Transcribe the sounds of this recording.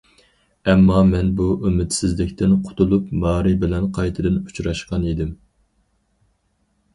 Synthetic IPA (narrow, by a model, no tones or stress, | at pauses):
ɛmːɑmɛnbuʔømɪt̪sɪzlɪkʲt̪ʰɪnqʰʊ̥t̪ʰulˠupmɑːɾɨbɪlɛnqʰɑjt̪ʰɨd̪ɨnut͡ʃɾɑʃqɑnid̪ɪm